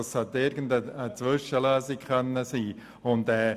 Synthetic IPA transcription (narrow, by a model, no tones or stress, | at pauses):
ɑshɛt̪ːɪɾɡəndəət͡sʋʏʃəlœːsikχœnːəsiː | ʊnd̪ɛː